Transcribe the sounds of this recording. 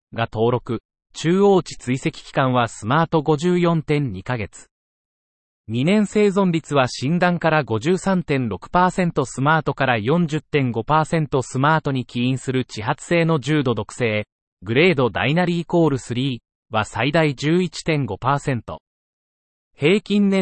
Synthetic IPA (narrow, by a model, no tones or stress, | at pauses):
ɡat̪o̞ːɾo̞kɯ̟ | t͡ɕɨːo̞ːt͡ɕi̥t͡sɨise̞kʲi̥kʲi̥kãɰ̃βasɨmaːt̪o̞ɡo̞ʑɨːjõ̞nt̪ẽ̞ɲɲikaɡe̞t͡sɨ̥ | ɲʲinẽ̞ɰ̃se̞ːzõ̞mbʲit͡sɨβaɕĩnd̪ãŋkaɾaɡo̞ʑɨːsãnt̪ẽ̞nɾo̞kɯ̟̥paːsẽ̞nt̪o̞sɨmaːt̪o̞kaɾajõ̞ɲ̟d͡ʑɨt̪ːẽ̞ŋɡo̞paːsẽ̞nt̪o̞sɨmaːt̪o̞ɲ̟ikʲiĩɰ̃sɨɾɯ̟t͡ɕiɦat͡sɨ̥se̞ːno̞d͡ʑɨːd̪o̞d̪o̞kɯ̟̥se̞ː | ɡɯ̟ɾe̞ːd̪o̞d̪a̰inaɾʲiːko̞ːɾɯ̟sɨɾʲiː | βasaid̪aid͡ʑɨːit͡ɕi̥t̪ẽ̞ŋɡo̞paːsẽ̞nt̪o̞̰ | he̞ːkʲĩnːẽ